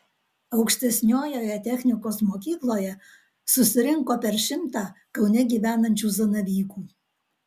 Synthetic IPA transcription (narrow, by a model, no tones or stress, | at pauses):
əwkʃt̪esʲnʲojojɛt̪ʲexʲnʲikosmokʲiklˠojɛ | susʲɪɾʲiŋkopʲerʃɪmt̪ɑkəwnʲeɡʲiʋʲænə̆nʲt͡ɕuzənəβʲiku